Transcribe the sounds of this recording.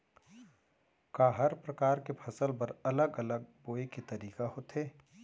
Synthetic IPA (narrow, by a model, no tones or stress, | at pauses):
kaːɦɐɾpɾɐkaːɾkepʰɐsəlpɐɾɐləɡɐləɡ̚boːekit̪ɐɾiːkaɦot̪eː